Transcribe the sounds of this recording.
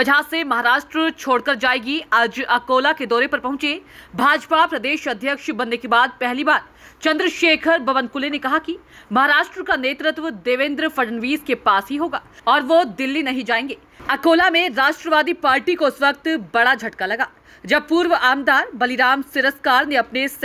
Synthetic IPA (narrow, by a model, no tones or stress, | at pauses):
bɐd͡ʒʱaːsemɐɦaːɾaːʃʈɾət͡ʃʰoːɽkɐɾd͡ʒaːeːɡiaːd͡ʒɐkoːlaked̪ɔːɾepɐɾpɐɦʊ̃t͡ʃebʱaːd͡ʒpapɾɐd̪eːʃɐd̪ʱjəkʃbɐnːekebaːd̪̚pɛɦlibaːɾ | t͡ʃɐ̃nd̪ɾəʃeːkʰəɾbɐʋə̃nkʊlenekɐɦaki | mɐɦaːɾaːʃʈɾəkaneːt̪ɾɪt̪ʋəd̪eːʋẽnd̪ɾəfɐɖənʋiːzkepaːsɦiɦoːɡaːɔːɾʋod̪ɪlːinɐɦĩd͡ʒaːẽːŋɡeː | ɐkoːlamẽɾaːʃʈɾəʋaːd̪ipaːɾʈikoɪsʋɐk̚t̪bɐɽad͡ʒʱɐʈkalɐɡaː | d͡ʒɐb̚puːɾʋaːmd̪aːɾbɐliɾaːmsɪɾəskaːɾneɐpnes